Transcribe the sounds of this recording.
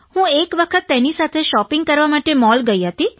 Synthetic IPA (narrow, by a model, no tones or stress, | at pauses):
hũekʋəkʰət̪ːenisat̪ʰeʃɔpɪŋɡkəɾʋamaʈemɔlɡəiɦət̪i